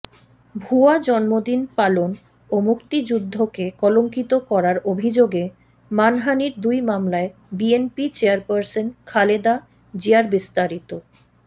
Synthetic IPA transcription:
bʱuad͡ʑɔnmod̪inpalon | omukt̪id͡ʑud̪ʱːokekɔloŋkit̪okɔɾaɾobʱid͡ʑoɡe | manɦaniɾd̪ujmamlaebienpit͡ɕeaɾpaɾsenkʰaled̪a | d͡ʑiaɾbist̪aɾit̪o

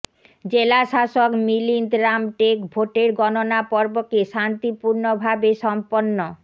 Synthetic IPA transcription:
d͡ʑelaʃaʃokmilind̪ɾamʈekbʱoʈeɾɡɔnonapɔɾbokeʃant̪ipuɾnobʱabeʃɔmponːo

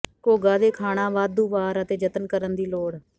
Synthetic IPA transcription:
koːɡaːd̪eːkʰaːɽ̃ãːʋaːd̪uːʋaːɾət̪eːd͡ʒət̪ənkəɾənd̪iːloːɽ

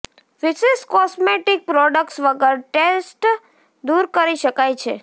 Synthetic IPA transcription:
ʋɪʃeskɔsmeʈik̚pɾɔɖəkʈsʋəɡəɾʈesʈ | d̪uɾkəɾiʃəkajt͡ʃʰḛ

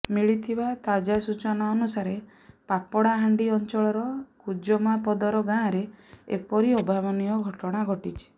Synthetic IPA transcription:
miɭit̪ʰibat̪ad͡ʒasut͡ʃɔnaɔnusaɾe | papɔɽaɦaɳɖiɔnt͡ʃɔɭɔɾɔkud͡ʒɔmapɔd̪ɔɾɔɡãɾeḛpɔɾiɔbʱabɔnijɔɡʱɔʈɔɽ̃aɡʱɔʈit͡ʃʰi̥

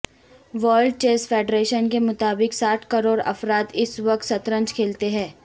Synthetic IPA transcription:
ʋəːlɖ̚t͡ʃeːsfʰeːɖɾeːʃənkemʊt̪aːbɪksaːʈʰkɐɾoːɾɐ̰fɾaːt̪ɪsʋɐk̚t̪sɐt̪ɾə̃ɲt͡ʃkʰeːlt̪eɦɛ̃ː

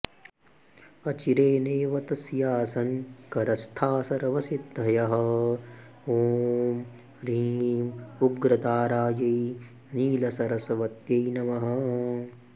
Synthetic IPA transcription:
ɐt͡ʃiɾeːneːʋɐt̪ɐsjaːsɐnkɐɾɐst̪ʰaːsɐɾɐʋɐsit̪̚ɐjɐɦɐ̆ | oːm | ɾiːmuɡɾɐd̪aːɾaːjɐj | niːlɐsɐɾɐsɐʋɐt̪jɐjnɐmɐɦɐ̆

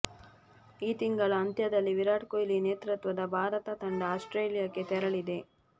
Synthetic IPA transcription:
iːt̪iŋɡɐɭɐːnd̪jɐd̪ɐlːiʋiɾaːʈkojlineːt̪ɾɐt̪ʋɐd̪ɐbaːɾɐt̪ɐt̪ɐɳɖɐaːsʈɾeːlijɐkːe̞t̪ɛɾɐɭid̪e̞

